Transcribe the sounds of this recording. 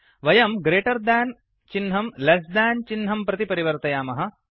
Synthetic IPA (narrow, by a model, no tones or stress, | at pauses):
ʋɐjɐmɡɾeːʈɐɾd̪æːn | t͡ʃinɦɐmlɐsd̪æːnt͡ʃinɦɐmpɾɐt̪ipɐɾiʋɐɾt̪ɐjaːmɐɦɐ̆